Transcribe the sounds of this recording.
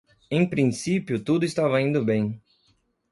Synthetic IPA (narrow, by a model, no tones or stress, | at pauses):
ẽj̃pɾĩsipjʊt̪ud̪ʊɪst̪avɐĩnd̪ʊbẽj̃